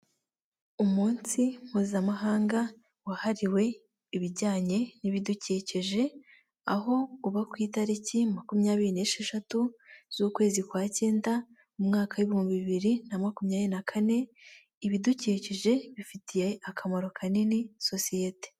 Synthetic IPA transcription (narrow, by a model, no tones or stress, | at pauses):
umuːnsim̥huːzamaɦaːŋɡa | wahaɾiwe̞ | iβiɾɟaːɲe̞niβiduceceʒe̞ | aɦo̞uβakwiːtaɾicimakumɲaːβiɾineʃeʃatuz̥uːkwe̞ːzikwaːce̞ːnda | umŋaːkaweβihuːmbiβiβiɾinamakumɲaːβenakʰane̞ | iβiduceːceʒe̞βifitʰije̞akʰamoɾokʰaneniso̞sijete̥